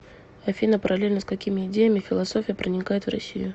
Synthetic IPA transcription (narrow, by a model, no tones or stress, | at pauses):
ɐfʲinəpəɾɐlʲelʲnəskɐkʲimʲɪːdʲejəmʲɪfʲɪlˠɐso̞fʲɪjəpɾənʲɪkajɪt̪vrɐ̰sʲːḭjʊ